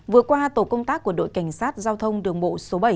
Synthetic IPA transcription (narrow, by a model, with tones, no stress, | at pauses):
vɨ˨˩ət̚kwaː˧t̪o˧˩kə˧wŋ͡mt̪aː˦˥k̚ːu˧˩əɗo̰˧˨jka˧˩jŋ̟saː˦˥t̚zaː˧wt̪ʰə˧wŋ͡mɗɨ˨˩əŋɓo̰˧˨so˨˦ɓə˧˩j